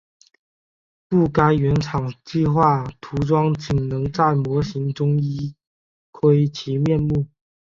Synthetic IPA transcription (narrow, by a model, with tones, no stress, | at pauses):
pu˥˩ka˥ɪɥɛ˧˥nʈ͡ʂʰɑ˨˩ŋt͡ɕi˥˧xwa˥˩t̪ʰu˧˥ʈ͡ʂwɑ˥ŋt͡ɕi˨˩ŋnɤ˧˥ŋt͡sa˥˩ɪmwɔ˧˥ɕi˧˥ŋʈ͡ʂʊ˥ŋi˥ | kʰwe˥ɪt͡ɕʰi˧˥mjɛ˥˧nmu˥˩